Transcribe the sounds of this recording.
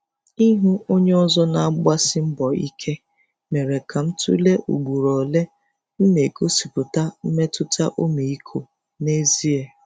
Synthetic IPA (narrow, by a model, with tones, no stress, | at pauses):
i˦ɦu˦ʔo˦ɲe˦ɔ˦zɔ˦na˨˦ɡ͡ba˦sɪ˦m̩˦bɔ˨ḭ˦kʰe˦ | me˨ɾe˨kʰa˨m̩˦tṵ˦le˦ʔṵ˨ɡ͡bu˨ɾɔ˨le˦ | n̩˦ne˨ko˦si˨pʊ˨ta˦m̩˦me˦tʊ˦tʰa̰˦ʔo˦me˨i˦kʰo˨ | ne˦zi˦e˦